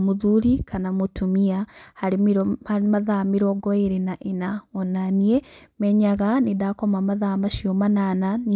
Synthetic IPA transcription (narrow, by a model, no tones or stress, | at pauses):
muðuɾikʰanamutumiahaɾimihaimaðamiɾoɡoeɾenaʔenaonaniemeɲaɣanidakomamaðamaʃiomananan